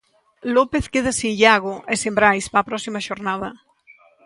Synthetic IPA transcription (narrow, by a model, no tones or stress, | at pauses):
lopeθkeðasĩnʎaɣoʔesembɾajspaːpɾɔsimaʃoɾnað̞ɐ